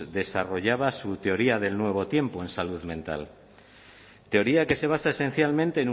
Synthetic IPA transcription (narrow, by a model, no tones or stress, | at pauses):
ðe̞saro̞ʝaβasut̪e̞o̞ɾiaðe̞lnwe̞β̞o̞t̪je̞mpo̞ẽ̞nsaluðmẽ̞nt̪a̰l | t̪e̞o̞ɾiake̞se̞β̞asaese̞n̟θjalmẽnt̪e̞ːnu